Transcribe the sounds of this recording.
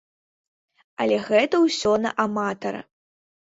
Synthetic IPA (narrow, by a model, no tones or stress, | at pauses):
ɐlʲɛɣɛt̪ɐwsʲɔnɐʔamat̪ɐɾɐ̰